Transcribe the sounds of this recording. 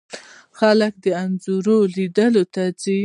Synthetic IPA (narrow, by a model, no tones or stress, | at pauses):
xalək̚d̪əanzuɾolid̪əlot̪ad͡zi